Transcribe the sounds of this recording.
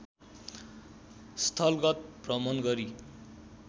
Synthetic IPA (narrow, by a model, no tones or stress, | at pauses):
st̪ʰʌlɡʌt̪̚prʌmʌnɡʌɾi